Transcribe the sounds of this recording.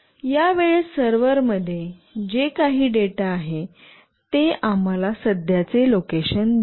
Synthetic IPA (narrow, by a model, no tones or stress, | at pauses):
jaʋeɭsəɾʋəɾməd̪ʱːjed͡ʑekaɦiːɖeʈaːɦe | t̪eam̤alasəd̪ʱjat͡selokeɕənd̪